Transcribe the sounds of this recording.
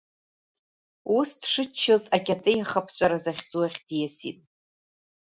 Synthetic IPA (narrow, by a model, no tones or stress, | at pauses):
usdʰʂɨt͡ʃʰːɨzakʲʼatʼɨjaχapʰt͡ʃʷʼaɾazaχʲd͡zʼuwaχʲdjasḭtʼ